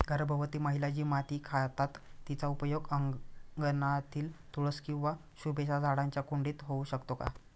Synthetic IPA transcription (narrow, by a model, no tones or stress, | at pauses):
ɡʱəɾbʱəʋt̪iːməɦilad͡ʑiːmat̪iːkʰaɭt̪at̪ːit͡saupəjoɡəɡənat̪ʰiːlt̪uɭəskĩw̃ʋa | ɕubeɕad͡zʱaɽaɲt͡ɕjakuɳɖiːt̪ɦouɕəkt̪oka̰